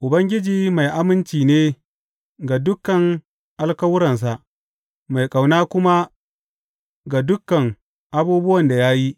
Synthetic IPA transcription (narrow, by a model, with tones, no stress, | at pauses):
ʔʊ˨bɐ˦ŋɡʲɪ˦d͡ʒiː˨ma˨jʔa˦mɪ˦nt͡ʃiː˨neː˦ | ɡa˨dʊ˦kːɐ˨ŋ | ʔa˦lkɐ˦wʊ˦ɾɐ˨ns̬a˨ʔ | ma˨jkʼa˨wnaː˦kʷʊ˦ma˦ | ɡa˨dʊ˦kːɐ˨ŋ | ʔa˦buː˦bʊ˦wɐ˨nda˨ja˦ji˦